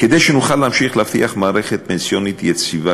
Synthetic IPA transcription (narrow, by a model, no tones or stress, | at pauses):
ked̪ejʃenuχalːeamʃiχleaft̪ḭaχmaːɾeχet̪̚pensjonit̪jet͡siva